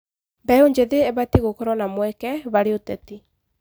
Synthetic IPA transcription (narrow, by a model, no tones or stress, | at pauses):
bɛoɲd͡ʒeðeɛβatiɣokɔɾɔnamwɛkɛβaɾeotɛti